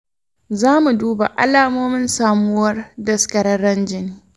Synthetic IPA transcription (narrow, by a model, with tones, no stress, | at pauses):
zaː˦mu˨duː˦ba̰˨ʔa̰˦laː˨moː˦mɪ˦nsaː˨mʊ˦wɐ˦rdɐ˦skɐ˨ɾɐ˦rːɐ˦nd͡ʒɪ˦nː˨˦